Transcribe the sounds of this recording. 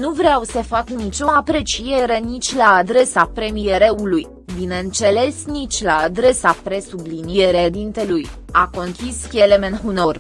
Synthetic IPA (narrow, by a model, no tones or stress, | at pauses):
nuvɾeawsəfaknit͡ʃʲo̞apɾe̞t͡ʃije̞ɾe̞nit͡ʃʲlaːd̪ɾe̞sapɾe̞mije̞ɾe̞uluj | bineɨnt̪se̞le̞snit͡ʃʲlaːd̪ɾe̞sapɾe̞subliniie̞ɾed̪int̪e̞lujako̞ŋkʲiskʲelemenɦuno̞r